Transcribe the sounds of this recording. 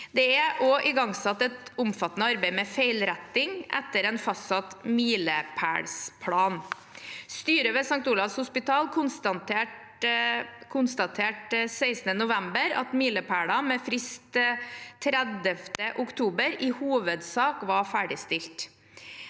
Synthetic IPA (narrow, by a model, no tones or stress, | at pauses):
d̪ɛæʔoʔɪɡɑŋsɑt̪ːɛt̪ʊmfɑt̪ːnəɑɾbeɪmɛfeɪlɾɛt̪ːɪŋʔɛ̰t̪ːəɾɛɪnfɑst̪sɑt̪miːləpʰæ̰ːɭspʰɽɑːn | st̪yːɾəʋɛsɑŋk̚t̪uːlɑʋshʊspɪt̪ʰɑːlkʰʊnst̪ɑnt̪e | kʰʊnst̪ɑt̪ʰeːʈseɪsnənʊʋæmbəɾɑ̰t̪miːləpʰæːɽɑmɛfɾɪst̪t̪ʰːɾɛd̪əft̪əʔʊkt̪ʰuːbəɾɪhuːʋəd̪sɑːkʋɑɾfæːɖɪst̪ɪlt̪